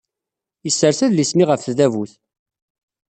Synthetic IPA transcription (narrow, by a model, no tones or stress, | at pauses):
jəsːəɾθæðlismiʁəfθðævuθ